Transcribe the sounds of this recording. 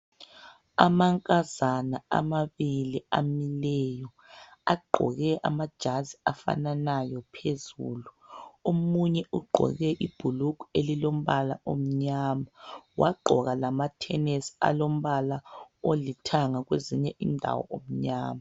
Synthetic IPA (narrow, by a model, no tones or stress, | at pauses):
amaŋkʼazanaa̰maβiliamilɛjɔ | aɡ͡ǃʱɔ̰ɣɛʔa̰mad̥ʒ̥ʱaziafa̰nanajɔpʰezṵːluomuɲɛuɡ͡ǃʱɔ̰ɣɛʔib̥ʱulukuelilom̩βala̰ʔom̩ɲamawʔa̰ɡ͡ǃʱɔɣalamatʰɛnesi̥a̰lom̩βalaolitʰaŋaɣweziɲɛʔindʱa̰wɔ̰ʔom̩ɲaːma